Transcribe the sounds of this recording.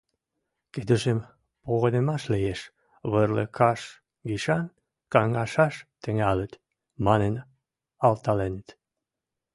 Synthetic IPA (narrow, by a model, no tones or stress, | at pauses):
ked̪əʒem | poɣənemɑʃleeʃ | βərlə̰kʰɑʃ | ɡiʃɑn | kɑŋɑʃɑʃt̪ə̆ŋælət̪ | mɑnen | ɑlt̪ɑlenet̪